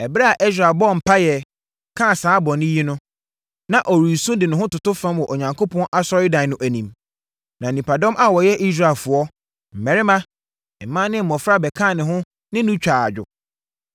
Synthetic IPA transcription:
ɛ˨bɾa˦a˨ʔe˦s̬ɾa˨bɔ˦˨m̩˨pʰa˦jɛ˨ | kʰã˦˨sãː˨˦bɔ̃˨nɪ̃˦ji˦nʊ̃˦ | nã˨ʔɔ˨ɾi˨sũ˦dɪ˨nʊ̃˨ɦʊ̃˦tʊ˨tʊ˦fã˦mwɔ˨ʔo˨ɲã˨ŋkʰo˦pʰɔ̃˦nʔa˦sɔ˦ɾɪ˦dã˨˦nʊ̃˦ʔæ˨nĩ˨m | nã˨nĩ˨pʰa˨dɔ̃˦mʔa˦wɔ˨jɛ˦ʔi˦s̬ɾa˨lfʊ˨ɔ˦ | m̩˨mɛ˨ɾɪ˦mã˦ | ɪ˨mã˦nɪ̃˦m̩˨mɔ̃˨fɾa˦bɛ˨kʰã˦˨nɪ̃˨ɦʊ̃˦ | nɪ̃˦nʊ̃˦t͡ɕᶣaː˨a̰˨d͡ʑᶣʊ̰˨

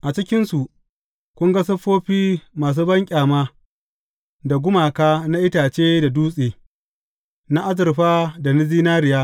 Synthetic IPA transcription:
ʔa˨t͡ʃɪ˦kʲɪ˦nsu˨ʔ | kʷʊ˦ŋɡɐ˦s̬ɐ˦ɸoː˦ɸiː˦maː˨s̬uː˦bɐ˦ŋkʲʼaː˨maː˦ | da˨ɡʷʊ˦maː˨kaː˦na˦ʔɪ˦taː˨t͡ʃeː˦da˨duː˦sʼeː˨ | na˦ʔa˦zɪ˨ɾɸaː˦da˨nɪ˦ziː˦naː˦ɾɪ˨jaː˦

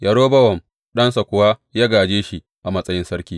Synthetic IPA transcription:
jʔɐ˨ɽoː˦bɐ˦wɔ˨m | ɗɐ˦nsa˨kʷʊ˨waː˦jaː˦ɡaː˨d͡ʒeː˦ʃi˦ | ʔa˨mɐ˦sʼɐ˦jɪ˦nsɐ˦ɾkʲiː˦

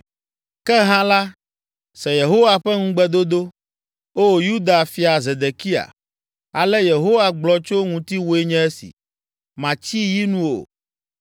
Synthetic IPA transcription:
kɛ˦ɦã˦la˦ | sɛ˨je˨ɦo˦wa˨ɸɛ˦ŋũ˦ɡ͡bɛ˦d̪o˦d̪o˦ | wo˦wo˨ju˦d̪a˨fi˨a˨ze˨d̪e˨ki˦a̰˨ | a˨lɛ˦je˨ɦo˦wa˨ɡ͡blɔ˦t͡ʃo˦ŋũ˨t̪i˦wo˦e˦ɲɛ̃˦ɛ˦sḭ˨ | mã˨t͡ɕi˦ji˦nũ˦o̰˨

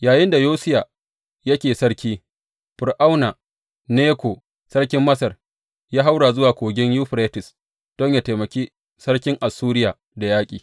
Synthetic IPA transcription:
jaː˨jɪ˦nda˨joː˦sɪ˦ja˨ | jɐ˦kʲeː˨sɐ˦ɽkʲiː˦ | ɸʊ˨rʔa˦wna˨ | neː˦kʷo˨ | sɐ˦ɽkʲɪ˦mːɐ˦sɐ˨r | jaː˦ɦa˦wɽaː˨zʊ˦waː˨kʷoː˨ɡʲɪ˦ɲjuː˦ɸɾeː˦tɪ˨s | d̥ɔ˦ɲjaː˨teː˨mɐ˨kʲiː˦ | sɐ˦ɽkʲɪ˦ŋʔa˨sːuː˦ɾɪ˦jaː˨ | da˨jaː˦kʲʼiː˨

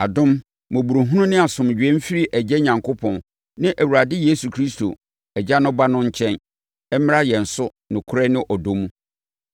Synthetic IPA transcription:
a˨dʊ̃˦m | mʊ̃˨bu˨ɾu˨ɦũ˦nʊ̃˦nɪ̃˦a˨sʊ̃˨m˨d͡ʑᶣɛ̃˦m̩˦fi˦ɾi˦ʔæ˨d͡ʑɛ˦ɲã˨ŋkʰo˦pʰɔ̃˨n | nɪ̃˦ʔæ˨wu˨ɾa˨dɪ˦je˦su˨kʰɾi˦sto̰˨ | ɛ˨d͡ʑa˦nʊ̃˦ba˦nʊ̃˦ɲ̩˦t͡ɕʰɛ̃˦n | ɛ˦mɪ̃˦ɾa˦jɛ̃˨n̩˨sʊ˦ | nʊ̃˨kʰʊ˦ɾɛ˦nɪ̃˦ʔɔ˨do˦mũ˦

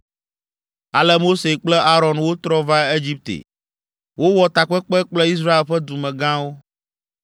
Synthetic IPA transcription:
a˨lɛ˦mo˦se˨k͡plɛ˦ʔa˦ɾɔ̃˨nwo˦t̪ɾɔ˦va˦e˦d͡ʑi˦p̚t̪ḛ˨ | wo˦wɔ˨t̪a˨k͡pɛ˦k͡pɛ˦k͡plɛ˦i˦s̬ɾa˦e˨lɸɛ˦d̪u˨mɛ̃˨ɡã˦wo˦

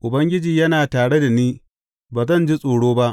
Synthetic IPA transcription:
ʔʊ˨bɐ˦ŋɡʲɪ˦d͡ʒiː˨jɐ˦naː˨taː˨ɽe˦da˨niː˦ | baː˨zɐ˦˨nd͡ʒi˦sʼoː˨ɽoː˦ba˦ʔ

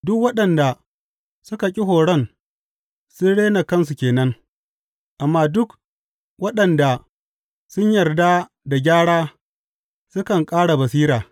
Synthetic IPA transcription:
dʊ˦kwɐ˦ɗɐ˨nda˨ | sʊ˦ka˨kʲʼɪ˦ɦoː˨ɽɐ˦˨n | sʊ˦nɽeː˦na˨kɐ˦ns̬u˨kʲeː˨nɐ˦ŋ | ʔa˨mːaː˦dʊ˦k | wɐ˦ɗɐ˨nda˨ | sʊ˦ɲjɐ˨rda˦ | da˨ɡʲaː˦ɽaː˦ | sʊ˦kɐ˨ŋkʼaː˦ɽa˨bɐ˨s̬iː˦ɾaː˨

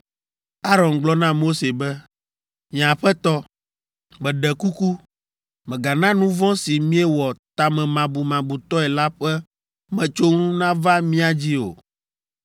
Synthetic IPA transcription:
a˦ɾɔ˨nɡ͡blɔ˦nã˦mo˦se˨bɛ˦ | mĩ˨ã˨ɸɛ˦t̪ɔ˦ | mɛ̃˨ɖɛ˨ku˦ku˦ | mɛ̃˨ɡa˨nã˦nũ˦vɔ̃˦si˨mĩ˦ɛ˦wɔ˨t̪a˨mɛ̃˨mã˨bu˨mã˨bu˨t̪ɔ˦ɛ˨la˦ɸɛ˦ | mɛ̃˨t͡ʃo˦ŋũ˦nã˦va˦mĩ˦a˨d͡ʑi˦o̰˨

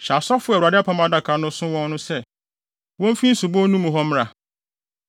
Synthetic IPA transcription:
ɕa˨sɔ˦fʊ˦ɛ˨a˨dɪ˦a˦pʰa˦mã˦da˦kʰa˨nʊ̃˦sʊ̃˦wɔ̃˦nnʊ̃˦sɛ˦ | wɔ̃˦m˦fĩ˦n̩˦sʊ˨bɔ˦nũ˦mũ˨ɦɔ˦m˦ɾa˨

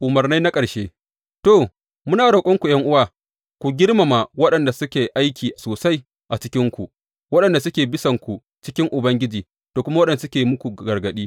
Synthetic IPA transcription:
ʔʊ˨mɐ˨rna˦jna˦kʼɐ˨ɽʃeː˦ | to˨ | mʊ˦naː˨ɽa˨kʷʼɔ˦ŋkʷu˨j̰ɐ˦ŋʔʊ˦waː˨ | kʷu˨ɡʲɪ˦ɽma˨ma˨wɐ˦ɗɐ˨nda˨sʊ˦kʲeː˨ʔa˦jkʲʰiː˨ʔsoː˨sa˦j | ʔa˨t͡ʃɪ˦kʲɪ˦ŋkʷu˨ʔ | wɐ˦ɗɐ˨nda˨sʊ˦kʲeː˨bɪ˦sɐ˨ŋkʷu˨ | t͡ʃɪ˦kʲɪ˦ŋʔʊ˨bɐ˦ŋɡʲɪ˦d͡ʒiː˨ | toː˨kʷʊ˦ma˦wɐ˦ɗɐ˨nː˨sʊ˦kʲeː˨mʊ˦kʷu˨ɡɐ˨ɾɡɐ˨ɗiː˦

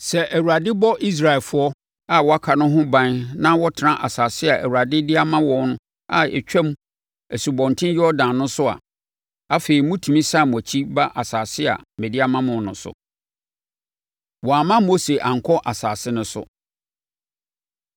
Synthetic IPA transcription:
sɛ˨ʔæ˨wu˨ɾa˨dɪ˦bɔ˦ʔi˦s̬ɾa˨ɛ˨fʊ˦ɔ˦ | a˦wɔ˨a˦kʰa˨nʊ̃˦ɦʊ̃˦bã˦nnã˦wɔ˦tʰɪ˨nã˦ʔa˨saː˨sɪ˦a˨ʔæ˨wu˨a˨dɪ˦dɪ˦a˦mã˦wɔ̃˦nʊ̃˦ | a̰˨ɛ̰˨t͡ɕᶣɛ̃˦m˦ | æ˨su˨bɔ̃˨n˨tʰɪ̃˦n˦jɪ˦ɔ˦dãː˨nːʊ̃˦sʊ˦a̰˨ | a˦fe˨i˨mũ˦tʰũ˨mĩ˦sa˦˨mʊ̃˨æ˨t͡ɕʰi˦ba˦ʔa˨saː˨sɪ˦a̰˨mɛ̃˨dɪ˦a˦mã˦mʊ̃˨˦nʊ̃˨sʊ̰˨ | wɔ˨a˨mã˦mo˦se˨ʔã˨ŋ̩˨kʰɔ˦ʔa˨saː˨sɪ˦nʊ̃˦sʊ̰˨

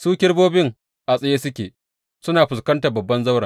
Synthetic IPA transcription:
suː˦kʲɪ˦rboː˦bɪ˦ŋ | ʔa˨sʼɐ˦jeː˦sʊ˦kʲḛː˨ | sʊ˦naː˨ɸʊ˨s̬kɐ˦nta˨bɐ˨bːɐ˦nza˦wɽaː˨

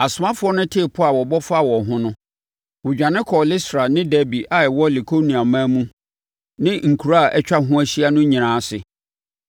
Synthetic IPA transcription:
a˨sʊ˨mã˦fʊ˨˦ɔ˦nʊ̃˦tʰe˦˨pʰʊ˦a˨wɔ˨bɔ˦fa˦˨wɔ˨ɦʊ̃˦nʊ̃˦ | wʊ˨d͡ʑᶣã˨nɪ̃˦kʰɔ˨lɪ˦stɾa˨nɪ̃˦dæ˦bi˨ʔa˨ɛ˨wɔ˦li˨kʰo˦nĩ˨a˨mãː˦mũ˦ | nɪ̃˦ŋ̩˨kʰu˨ɾa˦a˨ʔɛ˦t͡ɕᶣa˦ɦʊ̃˦æ˦ɕi˦a˦nʊ̃˦ɲĩ˨ɾãː˦sɪ˨

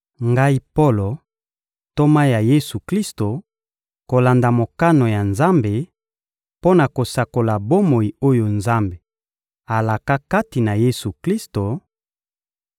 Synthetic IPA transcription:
ŋɡa˦i˦po˦lo˨ | to˦ma˦ja˨je˦su˨kli˦sto˨ | ko˨la˨nda˨mo˨ka˦no˨ja˨nza˦mbe˨ | po˦na˨ko˨sa˨ko˨la˨bo˦mo˨i˨o˦jo˨nza˦mbe˨ | a˨la˨ka˦ka˦ti˨na˨je˦su˨kli˦sto˨

